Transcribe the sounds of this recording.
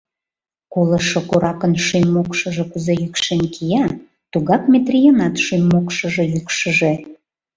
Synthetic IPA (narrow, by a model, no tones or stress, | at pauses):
koləʃokoɾɑkənʃymːokʃə̆ʒĕkuzejykʃenkʰijɑ | t̪uɣɑpmʲet̪rʲijənɑt̪ʃymːokʃəʒejykʃə̆ʒe